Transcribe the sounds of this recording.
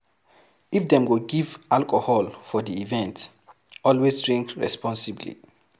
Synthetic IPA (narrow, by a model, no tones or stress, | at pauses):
ifdɛ̃mɡoɡivalkɔhɔlfɔdiivɛ̃nt | ɔlwesdɹĩŋkɹɛ̰spɔ̃nsiblḭ